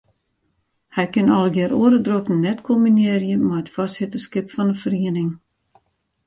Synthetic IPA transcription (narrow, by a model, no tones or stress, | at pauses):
hɛjkɪnɔlˠəɡjɪəɾoəɾədrokn̩nɛtkʰomineərjəmaətfɔstsɪtərskɪpfɔnəfəriənɪŋ